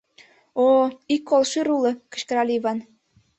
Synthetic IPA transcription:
oikːolʃɨɾulɤ̆kə̥̆ɕkə̆ɾɑlʲiiβɑn

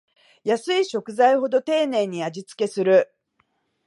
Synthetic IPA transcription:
jasɨiɕo̞kɯ̟zaiho̞d̪o̞t̪e̞ːne̞ːɲ̟iad͡ʑit͡sɨ̥ke̞sɨɾɯ̟

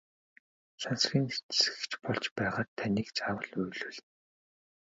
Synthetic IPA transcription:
sansɮʲiːŋet͡ssɘ̥̆kt͡ɕpɔɮt͡ɕpæːʁaːt̪ʰːaniːkt͡saːwə̆ɮujɮuːɮ

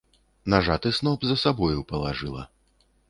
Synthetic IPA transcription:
naʐat̪ɨsnɔbzɐsabɔjupɐlˠaʐɨlˠɐ̰

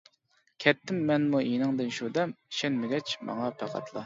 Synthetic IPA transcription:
kʲʰɛt̪ʰːɪmːɛnmuinɨŋd̪ɨnʃud̪ɛmʃɛnmɪɡʲɛt͡ʃmɑ̰ŋɑpʰæqʰɑ̰t̪ʰlˠɑ

